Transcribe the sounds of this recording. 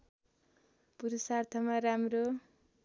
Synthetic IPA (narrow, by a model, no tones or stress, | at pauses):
puɾusart̪ʰʌmaɾamro